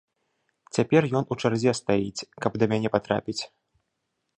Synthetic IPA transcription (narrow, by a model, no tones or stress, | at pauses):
t͡sʲapʲɛrjɔnut͡ʂarzʲɛst̪ajit͡sʲkɐbd̪ɐmʲanʲɛpat̪ɾa̰pʲit͡sʲ